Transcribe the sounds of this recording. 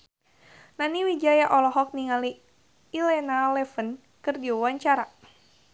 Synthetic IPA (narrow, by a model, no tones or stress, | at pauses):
naniwid͡ʒajaʔɔlɔɦɔk̚niŋaliː | lɛnalɛfən | kɨrdiawaɲt͡ʃaɾa